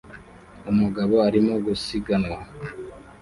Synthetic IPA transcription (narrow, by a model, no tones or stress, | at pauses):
umuɡaβo̞aɾimo̞ɡusiɡanŋwa